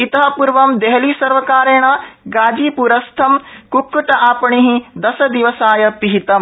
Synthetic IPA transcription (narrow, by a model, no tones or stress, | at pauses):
it̪ɐɦɐpuɾʋɐmd̪eɦɐliːsɐɾʋɐkaːɾeːɳ̃ɐɡaːd͡ʒiːpuɾɐst̪ʰɐmkukːuʈɐʔaːpɐɳiɦid̪ɐsɐd̪iʋɐsaːjɐpiɦit̪ɐm